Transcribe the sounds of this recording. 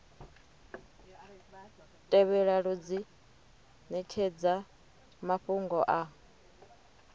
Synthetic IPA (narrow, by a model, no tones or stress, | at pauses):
tʼɛβɛɺaɺud͡zi | nɛkʰed͡za | maɸuŋɡɔʔa